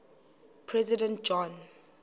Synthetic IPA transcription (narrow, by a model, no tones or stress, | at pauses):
pʰɹɛzidɛ̃nt̚d͡ʒɔ̃n